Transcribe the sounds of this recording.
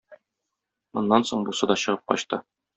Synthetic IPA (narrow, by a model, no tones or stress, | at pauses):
mŏnːɑnsoɴbusɑd̪ɒɕɤ̆ʁɤp̚qɒ̰ɕt̪ɤ